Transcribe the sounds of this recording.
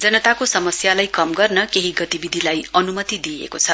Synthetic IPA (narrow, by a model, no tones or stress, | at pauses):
d͡zʌnʌt̪akosʌmʌsjalajkʌmɡʌrnʌkeɦiɡʌt̪ibid̪ʱilajʌnumʌt̪id̪iḛkot͡sʰʌ